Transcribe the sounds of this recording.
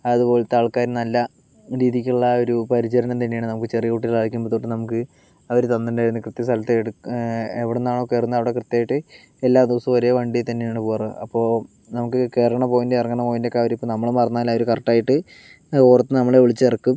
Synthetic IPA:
ɐɐðupo̞ːlet̪ːaːɭkaːɾnɐlːɐ | ɾiːðikʲːuɭːɐo̞ɾupɐɾit͡ɕɐɾɐnɐnt̪ɐnːeaːɳɨnɐmukːɨt͡ɕerijɐkuːʈːiɭaːʋikʲːumbɐt̪ːoːʈːɨnɐmuk̬ːɨ | ɐʋɐɾut̪ɐnd̪ɐndaːjɾunːɨkrɨt̪ːjɐs̬t̪ʰɐlɐt̪ːeɽueʋiɽenːaːɳoːkːeːrunːɐɐʋiɽekrɨt̪ːjaːjiʈːɨ | elːaːd̪iʋɐsɐmʋɐɾejɐʋɐɳɖit̪ɐnːejaːɳɨpoːrɨɐpːo̞ː | nɐmukːɨkeːrɐɳɐmpoːɣindeerɐŋːɐɳɐmpoːɣindekːaːʋɐɾɐipːonɐmːɐɭumpɐrɐnːaːlɐʋɐɾukɐrɐʈːaːjiʈːɨ | koːrɐt̪ːɨnɐmːɐɭeoɭit͡ɕːerɐkːum

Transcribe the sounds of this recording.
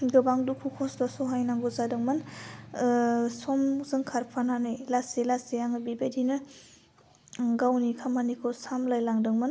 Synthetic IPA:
ɡɯbaŋdukʰukʰɔsdɔsɔɦajnaŋɡuzadɯŋmɯn | sɔmzɯŋkʰaɾpʰananɯjlasilasijaŋɯbibedinɯ | ɡawnikʰamanikʰɯsamlajlaŋdɯŋmɯn

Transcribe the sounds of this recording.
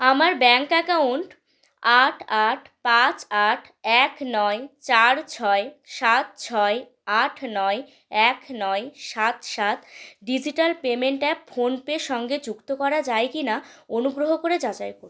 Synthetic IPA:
amaɾbɛŋkɛkawɳʈ | aʈʰaʈʰpat͡ɕaʈʰɛknɔet͡ɕaɾt͡ɕʰɔeʃat̪̚t͡ɕʰɔe | aʈʰnɔe | ɛkʰnɔeʃat̪ʃat̪ɖid͡ʑiʈalpemeɳʈafʰonpeʃɔŋɡed͡ʑukt̪okɔɾad͡ʑaekinaonuɡɾoɦokoɾed͡ʑat͡ɕajkoɾ

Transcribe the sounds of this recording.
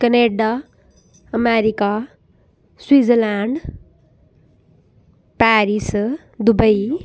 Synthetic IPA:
kəneɖa | əmeɾika | swiːd͡zəlaɳɖ | paɾis | d̪ubəj

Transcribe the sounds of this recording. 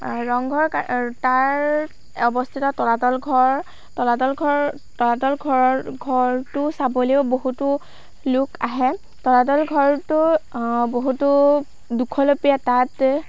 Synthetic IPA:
ɹɔŋɡʱɔɹkataɹ | ɔbɔstʰitɔtɔlatɔlɡʱɔɹ | tɔlatɔlɡʱɔɹ | tɔlatɔlɡʱɔɹɔɡʱɔɹtʊsaboleoboɦutʊ | lʊkaɦɛ | tɔlatɔlɡʱɔɹtʊboɦutʊ | dukʰɔlopijatat

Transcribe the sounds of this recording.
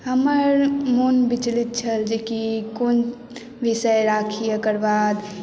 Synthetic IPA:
ɦəməɾmunbit͡ʃlit̪̚t͡ʃʰəld͡ʒekikon | ʋisəjɾakʰijekəɾbaːd̪

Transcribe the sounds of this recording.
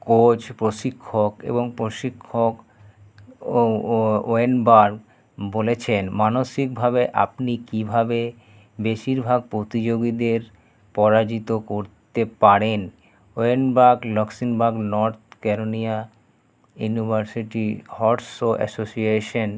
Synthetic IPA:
kot͡ɕpɾoʃikʰːokḛboŋpɾoʃikʰːok | oenbaɾ | bolet͡ɕʰenmanoʃikbʱabeʔa̰pnikibʱabe | beʃiɾbʱaɡ̚pɾot̪id͡ʑoɡid̪eɾ | pɔɾad͡ʑit̪okoɾt̪epaɾen | oenbaɾɡlɔksinbaɾɡnɔɾt̪̚ʰkɛɾonia | junibʱaɾsiʈihɔʈsoʔɛ̰sosieʃon

